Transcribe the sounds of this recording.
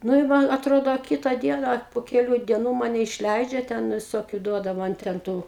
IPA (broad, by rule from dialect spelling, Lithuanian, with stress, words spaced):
ˈnʊ ɪ ˈmɐn ɐtˈroːdoː ɐ ˈkʲiːtɐ ˈdʲiɛnɐ ɐ pʊ kʲɛˈlʲuː dʲiɛˈnuː ˈmɑːnʲɛ ɪʃʲˈlʲɛɪd͡ʒʲɛ ˈtʲɛn ʋʲɪˈsoːkʲʊ ˈduɔdɐ ˈmɐn tʲɛn ˈtʊ